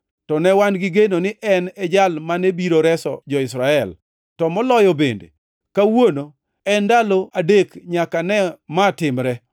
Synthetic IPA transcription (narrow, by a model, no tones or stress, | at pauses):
tɔnɛwanɡɪɡenonɪʔɛnɛd͡ʒalmanebiɾoɾɛsɔ̰d͡ʒɔɪsɾaɛl | tɔmɔlɔjɔbendḛ | kawono | ɛndaloʔadekɲakanɛmatɪmɾɛ